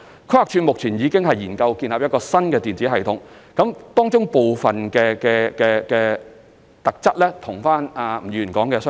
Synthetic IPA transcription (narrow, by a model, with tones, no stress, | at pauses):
kʰha˨k̚t͡ʃʰyː˧nmʊ˨k̚t͡sʰiː˨˩njiː˨˧kɪ˥ŋɦɐ˨jiː˨˩nkɐ˧wkiː˧nlaː˨p̚jɐ˥t̚kɔː˧sɐ˥nkɛː˧t̪iː˨nt͡siː˨˦˥ɦɐ˨jt̪ʰʊ˨˥ŋkɐ˨˥mt̪ɔː˥ŋt͡sʊ˥ŋpo˨wfɐ˨nkɛː˧kɛː˧kɛː˧kɛː˧ | t̪ɐ˨k̚t͡sɐ˥t̚lɛː˥t̪ʰʊ˨˩ŋfaː˥naː˨˩m̩˨˩jyː˨˩˨kɔː˨˥ŋkɛː˧sœ˥